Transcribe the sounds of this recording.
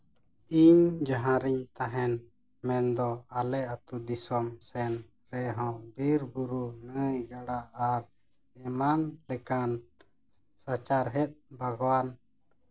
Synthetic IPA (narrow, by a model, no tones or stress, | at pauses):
iɲd͡ʒaɦãɾiɲt̪aɦɛn | mɛnd̪ɔalɛat̪ud̪isɔmsɛn | ɾɛɦɔ̃biɾbuɾunəjɡaɽaʔaɾ | ɛmanlɛkan | sat͡ʃaɾɦɛt̪̚ˀbaɡwan